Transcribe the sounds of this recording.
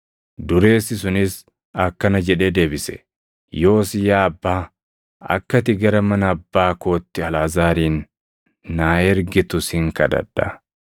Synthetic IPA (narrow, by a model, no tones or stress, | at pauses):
d̪ʊɾe̞ːsːɪsʊnɪs | ɐkːɐnɐd͡ʒɛᶑe̞ːd̪e̞ːbɪsɛ̥̰ | jo̞ːsɪjaːɐbːaː | ɐ̰kːɐt̪ɪɡɐɾɐmɐnɐːbːaːko̞ːt̪ːɪɐlaːzaːɾiːnː | aːɛɾɡɪt̪ʊshɪŋkɐd̪ɐ̰ᶑɐ